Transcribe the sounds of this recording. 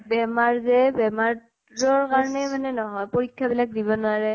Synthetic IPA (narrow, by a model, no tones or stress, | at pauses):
bɛmaɹzɛbɛmaɹ | zɔɹkaɹɔnɛmanɛnɔɦɔjpoɹikʰːabilak̚dibɔnʊaɹɛ